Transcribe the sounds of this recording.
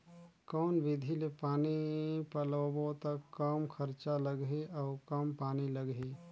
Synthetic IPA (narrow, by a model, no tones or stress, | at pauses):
kɔːnʋɪd̪ʱilepaːnipəlowõt̪əkːəmkʰəɾt͡ʃaləɡɦeʔɔːkəmpaːniləɡɦe